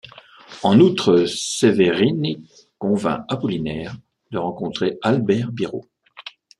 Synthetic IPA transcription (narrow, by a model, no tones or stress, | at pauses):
ɑ̃nut̪χəseveʁine | kɔ̃vɛ̰̃apɔlinɛːʁ | d̪əʁɑ̃kɔ̃t̪χealbɛʁbiʁo̰